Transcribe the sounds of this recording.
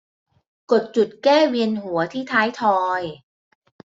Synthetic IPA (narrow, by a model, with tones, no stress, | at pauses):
ko˨˩t̪̚t͡ɕu˨˩t̪̚kɛː˥˩wi˧ənhu˨˩˦ɐt̪ʰiː˥˩t̪ʰaː˦˥jt̪ʰɔː˧j